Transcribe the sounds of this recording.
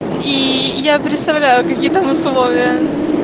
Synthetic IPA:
ijapɾʲɪt̪st̪ɐvlʲæjʊkɐkʲijət̪amʊslˠovʲɪjə

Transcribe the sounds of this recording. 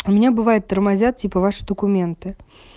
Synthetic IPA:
ʊmʲɪnʲabɨvajʊt̪ːɐrmazʲat̪̚t͡sʲipɐvaʂɨ̥d̪əkʊmʲɛnt̪ɨ

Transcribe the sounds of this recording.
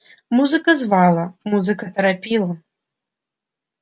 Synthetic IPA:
muzɨkɐzvalˠɐmuzɨkɐt̪ʰɐɾapʲilˠɐ

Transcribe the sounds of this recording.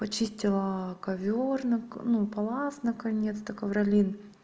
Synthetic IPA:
pɐt͡ɕisʲtʲɪlˠəkɐvʲornɨknupɐlˠasnəkɐnʲet̪st̪əkəvɾɐlʲin

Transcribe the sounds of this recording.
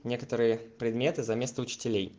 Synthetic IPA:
nʲe̞kə̥t̪əɾɨjəpɾʲɪd̪mʲe̞t̪ɨzɐmʲe̞st̪əʊt͡ɕɪ̥tʲɪlʲej

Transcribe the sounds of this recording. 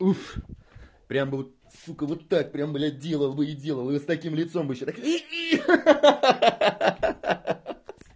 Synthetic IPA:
uf | pɾʲambɨvot̪̚ | ʂukəvot̪ːak̚pɾʲambɨlʲadʲelˠəlˠbɨɪdʲe̞lˠəlˠɨst̪ɐkʲimlʲɪt̪so̞mbɨɪɕːot̪aki

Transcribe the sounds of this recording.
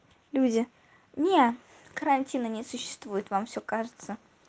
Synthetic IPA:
lʲudʲɪ | nʲe | kəɾanʲtʲinənʲɪsʊɕːɪ̥st̪vujɪt̪vamfsʲokaʐɨt̪sə

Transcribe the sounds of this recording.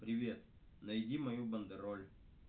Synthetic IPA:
pɾʲɪʋʲe̞t̪̚ | nɐjdʲimɐjubɐnd̪ɨɾolʲ

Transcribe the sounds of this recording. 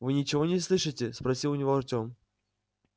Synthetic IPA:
vɨnʲɪt͡ɕɪvo̞nʲɪslˠɨʂɨtʲɪspɾɐsʲilˠʊnʲɪvoɐrtʲo̞m

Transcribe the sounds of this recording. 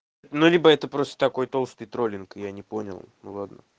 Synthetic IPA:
nulʲibəɛt̪əpɾo̞st̪ət̪ɐko̞jt̪o̞lˠst̪ɨjt̪ɾo̞lʲɪnkjanʲɪpo̞nʲɪ̰lˠnulˠad̪nə̰

